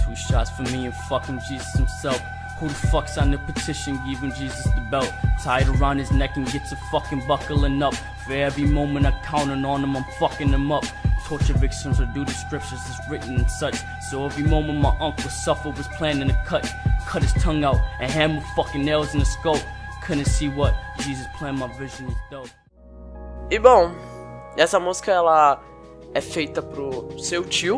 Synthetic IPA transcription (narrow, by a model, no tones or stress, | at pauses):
tʰʉʃɑtsfəmiɨ̃nfʌkɪ̃ŋd͡ʒizɨshɨ̃m̩sɛlˠf | hʊlˠdfʌksn̩ɨpʰɨtʰɪʃɨ̃nɡɪvɪ̃ŋd͡ʒizɨsðɨbɛlˠt̚tʰaɪɨɾə˞ãʊ̃ndɨznɛkɨ̃n̩ɡɛtsɨfʌkɨ̃nbʌkl̩ˠɪ̃nʌp̚ | fɛɛvimõʊ̃mɨ̃naɪkʰãʊ̃nɨ̃nɔ̃nə̃mãɪ̃ɱfʌkɪ̃ŋðɨ̃mʌp̚tʰɔɹt͡ʃəvɪk̚sə̃mzədʉdɨskɹɪp̚ʃə˞zʌsɹɪʔn̩ɨ̃nsʌt͡ʃ | soʊɛvɹimõʊ̃mə̃ntmaɪʔʌ̃ŋklˠsʌfəwʌz̥pʰl̥æ̃nɨ̃nɨkʰʌt̚kʰʌt̚hɨz̥tʰʌ̃ŋaʊɾ̚ɨ̃nɦæ̃mə̥fʌkɨ̃nɛlzɨ̃nɨskoʊp̚kʰɨñɨsiwʌt̚d̥ʒ̥izɨspʰl̥æ̃nmaɪvɪʒɨ̃nwɨðd̥oʊ | ɪbõw̃ | ɛsɐmuz̥kɐɛlɐ | ɛfejt̪ɐpɾʊsewt͡ʃiʊ